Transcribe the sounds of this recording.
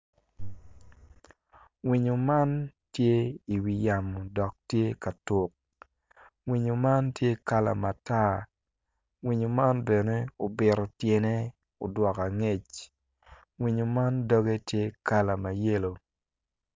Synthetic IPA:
wi˨ɲo˨ma˦ntje˦i˨wi˨ja˨mo˨dɔ˨k̚tje˦ka˨tʊ˨k̚ | wi˨ɲo˨ma˦ntje˦ka˦la̰˨ma˨ta˦ | wi˨ɲo˨ma˦nbe˨ne˦o˨bɪ˨ɾo˨tje˨ne˦ | o˨dwɔ˨ka˨ŋe˦˨t͡ʃ | wi˨ɲo˨ma˦ndɔ˦ɡe˦tje˦ka˦la˨ma˨je˦lo˨

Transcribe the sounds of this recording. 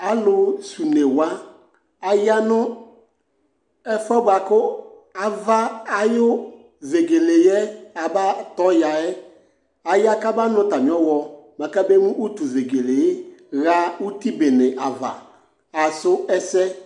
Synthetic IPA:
a˨lʊ˨su˨ne˨wa˦ | a˨ja˦nʊ̃˦ | ɛ˦fɔ˦ba˨kʊ˦ | a˨va˦a˨jʊ˦ | ve˨ɡe˨le˨jɛ˦a˨ba˦tɔ˨˦ja˨ɛ˦ | a˨ja˦ka˦ba˦nʊ̃˦ta˨mĩ˨˦ɔ˦wɔ˨mã˨ka˦be˦mũ˦ʔu˦tu˨ve˨ɡe˨le˨˦ɣa˦u˦ti˦be˨nɪ˨ʔa˨va̰˨ | a˨sʊ˦ɛ˦sɛ˦

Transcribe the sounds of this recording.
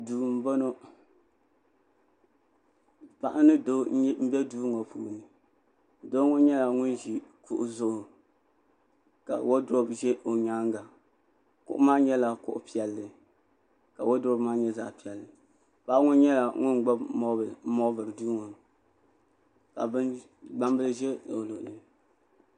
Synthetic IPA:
duː˨m̩˦bɔ˦no˦ | pa˨ʔa˦nɨ˦do˦m̩˦bʲɛ˦duː˦ŋo˨pṵː˨nɨ˨ | do˦ŋʊ˦ɲɛ˦la˨ŋʊ˦nʒi˨kʊ̰˨ʔʊ˨zʊ˦ʔʊ˨ | ka̰˨wo˦do˦bʒɛ˦ʔo˨ɲaː˦ŋ˦ɡa˨ | kʊ̰˨ʔʊ̰˦maː˦ɲɛ˦la˨kʊ̰˦ʔʊ˦pi˨ɛ˨lːɨ˨ | ka˨wo˦dɔ˦bmaː˦ɲɛ˦zaː˨pi˨ɛ˨lːɨ˨ | pa˦ŋʊ˦nɲɛ˦la˨ŋʊ˦nɡ͡ba˦bmo˦bmɔ˦bɨ˨ɾɨ˨du˦ŋʊ˨n | ka̰˨bɨ˦n | ɡ͡ba˦mbɨ˦lɨ˦ʒɛ˦o˨lo˨ʔlɨ˨

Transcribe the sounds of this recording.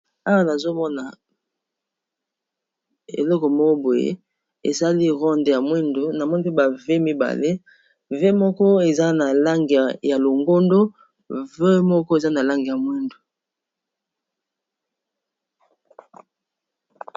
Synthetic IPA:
a˦wa˦na˨zo˦mɔ˦na˨ | ḛ˨lɔ˦kɔ˨mɔ˦o˦bwo˨jḛ˦ | ḛ˨za˦li˦ʁɔ˦nde˨ja˨mwi˦ndo˨na˨mɔ˦ni˦pe˦ba˨ve˦mi˦ba̰˨le˦ | ve˦mɔ˦kɔ˦e˨za˦na˨la˦ŋɡi˨ja˨lo˨ŋɡo˦ndo˦ | ve˦mɔ˦kɔ˦e˨za˦na˨la˦ŋɡi˨ja˨mwi˦ndo˨

